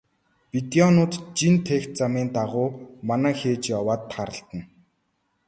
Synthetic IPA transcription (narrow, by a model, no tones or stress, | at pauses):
pit̪iɔnʊːt̪t͡ɕint̪ʰext̪̚t͡samiːnt̪aʁʊːmanæːxeːt͡ɕjɔwaːt̪ʰːχaɾə̆ɬt̪ə̆n